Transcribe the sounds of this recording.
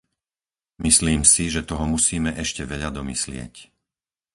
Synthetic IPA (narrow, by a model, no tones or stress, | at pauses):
misliːmsiʒɛt̪ɔɦɔmusiːmɛʔɛʃcɛʋɛʎad̪ɔmislɪɛ̰c